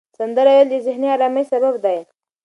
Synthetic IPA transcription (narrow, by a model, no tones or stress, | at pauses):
sand̪əɾajald̪əzɪhnialaməjsababd̪aj